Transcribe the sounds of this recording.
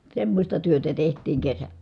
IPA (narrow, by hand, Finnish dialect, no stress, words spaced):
semːosʲtɑ tyøtæ tehtˑiːŋ kesæ